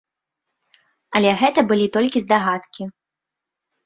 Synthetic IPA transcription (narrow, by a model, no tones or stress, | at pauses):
ɐlʲɛɣɛt̪ɐbɨlʲit̪ɔlʲkʲizd̪aɣat̪kʲi